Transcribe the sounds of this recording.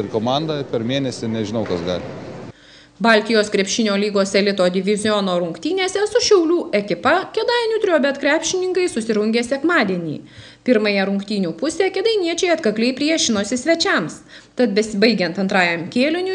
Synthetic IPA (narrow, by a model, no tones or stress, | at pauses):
ɪɾkoːmɑnd̪ɐpʲɛɾmʲeːnʲɛsʲɪnʲɛʒʲɪnɐʊkɐsɡɑ̰ːlʲɪ | bɑˑlʲt̪ʲɪjoːskɾʲɛpʲʃʲɪnʲoːlʲiːɡoːsɛlʲɪt̪oːd̪ʲɪʋʲɪzʲɪjɔnoːɾʊŋkt̪ʲiːnʲeːsʲɛsʊʃʲɛʊlʲuːʔɛkʲɪpɐkʲɛd̪ɑːɪnʲuːt̪ʲɾʲoːbʲɛt̪kɾʲæːpʲʃʲɪnʲɪŋkɐɪsʊsʲɪɾʊŋʲɡʲeːsʲɛkmɑːd̪ʲiɛnʲḭː | pʲɪɾmɐjɛɾʊŋkt̪ʲiːnʲuːpʊsʲɛkʲɛd̪ɐɪnʲiɛt͡ʃʲɛɪɐt̪kɐklʲɛɪpʲɾʲiɛʃʲɪnoːsʲɪsʲʋʲɛt͡ʃʲɛmst̪ɐt̪̚bʲɛsʲɪbɐɪɡʲɛnt̪ɐnt̪ɾɑːjɛmkʲeːlʲɪnʲʊ